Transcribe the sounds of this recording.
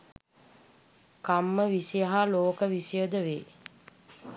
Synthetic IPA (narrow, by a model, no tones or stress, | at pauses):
kamːəʋisijaɦaloːkəʋisijəd̪əʋeː